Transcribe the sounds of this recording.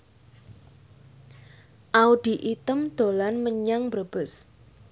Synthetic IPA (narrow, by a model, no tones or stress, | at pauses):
ʔaud̪̥i̤ʔit̪əmd̪̥o̤lanməɲaŋbəb̥ə̤s